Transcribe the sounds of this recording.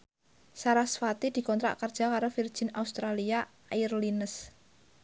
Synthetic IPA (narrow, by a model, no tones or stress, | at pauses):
saɾasfat̪id̪̥i̤kɔnt̪ɾa̰ʔkərd̥ʒ̥a̤kaɾofird̥ʒ̥ɪ̤naust̪ɾalia | irlinəs